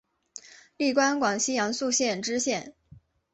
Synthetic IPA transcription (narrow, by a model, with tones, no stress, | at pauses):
li˥˩kwa˥nkwɑ˨˩ŋɕi˥jɑ˧˥ŋsu˥˧ɕjɛ˥˩nʈ͡ʂɻ̩˥ɕjɛ˥˩n